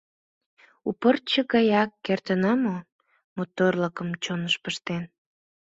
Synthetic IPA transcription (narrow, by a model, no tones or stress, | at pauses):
upərt͡ɕəɣɑjɑkːert̪ənɑmo | mot̪orləkəmt͡ɕonəʃpəʃt̪en